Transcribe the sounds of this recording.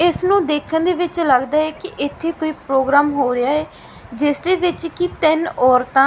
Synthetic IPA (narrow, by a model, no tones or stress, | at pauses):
ɪsnũːd̪eːkʰənd̪eːʋɪt͡ʃləɡd̪aːɛːkɪʔɪt̪ʰːeːkoːiːpɾoːɡɾaːmɦoːɾɪjaːɦɛː | d͡ʒɪsd̪eːʋɪt͡ʃkit̪ɪnɔːɾt̪ãː